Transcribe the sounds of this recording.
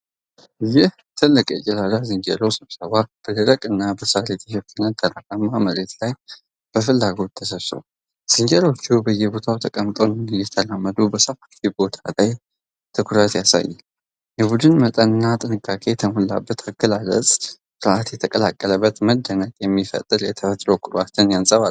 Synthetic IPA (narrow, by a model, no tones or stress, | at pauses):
jɪh | t̪ʰɨlːɨkʼjɛt͡ʃʼɪlad̪azɨɲd͡ʒɛɾosɨβsəβab̥əd̪ɨɾəkʼɨnːabəsalet̪ʰʼihokʰːɨnət̪ʰʼːəɾakʼamːaməɾet̪laj | b̥əfɨlːaɡo̞t̪ʰːəsəso̰ | z̥ɨɲd͡ʒɛɾo̞t͡ʃːuwbəjːɛbo̞t̪ʰawt̪ʰəkʼəmt̪ʼonjɛt̪ʰəlamːəd̪ubəsəfaffibo̞t̪ʰalaj | t̪ʰɨkʰʊɾət̪jasa̰jːɛ | jɛbud̪ɨnmət̪ʼənɨnːat̪ʼɨnɨkʼːakʰe̞t̪ʰəmulːa̰bːət̪ʰaɡəlalə̰sʼ | ɾʔat̪jɛt̪ʰəkʼəla̰kʼːələbːət̪məd̪ːənəkʼjɛmːifə̰t̪ʼːɨɾjɛt̪ʰəfət̪ʼɾowkʰʼʊɾwat̪ʰːɨnjansʼəβa